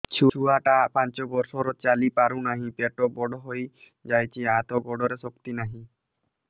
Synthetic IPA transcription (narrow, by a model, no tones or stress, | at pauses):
t͡ʃʰuuaʈapant͡ʃɔbɔɾsɔɾɔt͡ʃalipaɾunaɦĩpeʈɔbɔɖɔɦoj | d͡ʒajt͡ʃʰiat̪ɔɡɔɖɔɾesɔkt̪inaɦĩ